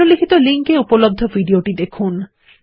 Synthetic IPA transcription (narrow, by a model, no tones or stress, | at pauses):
olikʰit̪oliŋkeupolob̚d̪ʱːovʱiɖioʈid̪ekʰun